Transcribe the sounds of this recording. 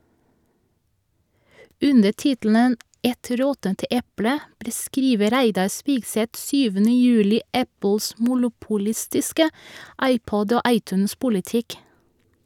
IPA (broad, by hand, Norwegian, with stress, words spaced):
ˈʉnə ˈtɪtl̩nən ˈɛt ˈɾɔtənt ˈʔɛplə bɾəˈskɾiːʋə ˈɾæɪdɑ ˈspiːɡˌsɛt ˈsyːʋənə ˈjʉːlɪ ˈʔæpl̩s mʊlʊpʊˈlɪstɪskə ˈɑɪˌpɔd ˈoː ˈɑɪˌtʉːnˌspʊlɪˌtɪk